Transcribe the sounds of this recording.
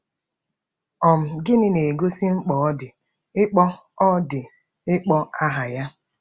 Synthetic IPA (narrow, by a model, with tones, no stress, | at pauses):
ɔ˨m̩˨ɡɪ˦nɪ˦ne˨ɡo˦si˦ŋ͡m̩˦k͡pɔ˨ɔ˦dɪ˨ | ɪ˦k͡pɔ˦ | ɔ˦dɪ˨ | ɪ˦k͡pɔ˦a˦ɦa˨ja˦